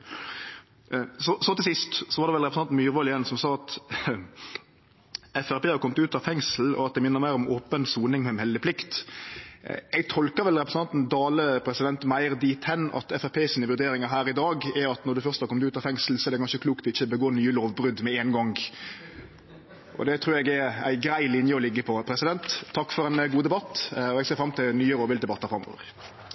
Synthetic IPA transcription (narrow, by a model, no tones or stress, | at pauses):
sɔsɔt̪ɪlsɪst̪sɔʋɑɾd̪ɛʋɛlɾɛpɾəsɑnt̪n̩myːɾʋoːlɪɛnsɔmsɑːɑt̪ | ɛfæɾpeːhɑɾkɔmt̪ʉːt̪ɑʋfɛŋsl̩ɔ̰ɑt̪̚d̪ɛmɪnːəɾmæɪɾɔmoːpənsuːnɪŋmɛmhɛlːəpʰlɪkt̪ | ɛɡt̪ʰɔlkəʋɛlɾɛpɾəsənɑnt̪n̩d̪ɑːləpʰɾɛsɪd̪ɛnt̪mæɪʁd̪iːt̪hɛnːɑ̰t̪ɛfæɾpʰeːsiːnəʋʉɾd̪eːɾɪŋɑɦæːɾɪd̪ɑːɡɛɾɑt̪nɔɾd̪ʉfœɾst̪ɑkɔmd̪ʉːt̪ɑfɛŋsl̩sɔɛɾd̪ɛkɑnʃəkʰluːkt̪ɪçːəbəɡoːnyːəloːʋbɾʉd̪mɛeːnɡɔŋɡ | ʔɔ̰d̪ɛt̪ʰɾʉːɾɛɡɛɾæ̰ɪɡɾæɪlɪnjəɔlɪɡːəpʰɔpʰɾɛsɪd̪ɛnt̪ʰːɑkːfɔɾɛɪnɡuːəd̪ɛbɑt̪ːɔɛɡseːɾfɾɑmt̪ʰɪlnyːəɾɔːʋɪld̪ɛbɑt̪ːəɾfɾɑmːɔ̰ːʋə̰ɾ